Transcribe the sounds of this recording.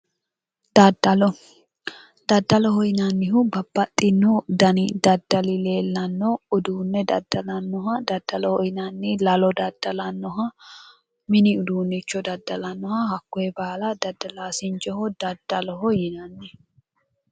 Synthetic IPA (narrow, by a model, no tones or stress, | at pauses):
d̪ɐd̪ɐlɔ | d̪̥ɐd̪ːɐlɔhɔjɪnɐnːɪɦʊbɐbːɐt̪ʼːɪnːɔd̪ɐnɪd̪ɐd̪ːɐlɪle̞ːlːɐnːɔʊd̪uːnːɛd̪ɐd̪ːɐlɐnːɔɦɐd̪ɐd̪ːɐlɔhɔjɪnɐnːɪlɐlɔd̪ɐd̪̥ːɐlɐnːɔɦɐ | mɪnɪʊd̪uːnːɛt͡ʃːɔd̪ɐd̪ːɐlɐnːɔhɐhɐkːɔjɛbaːlɐd̪ɐd̪ːɐlaːsɪnt͡ʃɔhɔd̪̥ɐd̪̥ːɐlɔɦɔjɪnɐnːɛ